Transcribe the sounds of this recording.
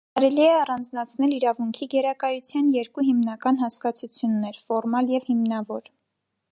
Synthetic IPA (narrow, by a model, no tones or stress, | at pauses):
kɑɾɛliɛɑrɑnd͡znɑt͡sʰnɛliɾɑvuŋkʰiɡɛɾɑkɑjut͡sʰjɑnjɛɾkuɦimnɑkɑnɦɑskɑt͡sʰut͡sʰjunːɛɾfɔɾmɑljɛvhimnɑvɔɾ